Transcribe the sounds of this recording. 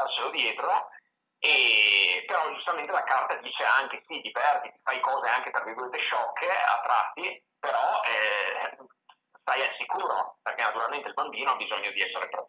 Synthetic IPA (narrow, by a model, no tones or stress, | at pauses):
lasːelod̪jɛːt̪ɾo | epeɾɔd͡ʒust̪ament̪elakart̪ad̪iːt͡ʃeaŋk̟esid̪ipɛrt̪iifajkɔːzeaŋket̪ɾaviɡuɾet̪eʃːɔkʰːea̰t̪ːɾa̰t̪ːi | peɾɔɛ | st̪ajasːikuːɾo̰perkenːat̪uɾalment̪eilbambiːnoabizoɲːod̪iɛsːeɾepɾ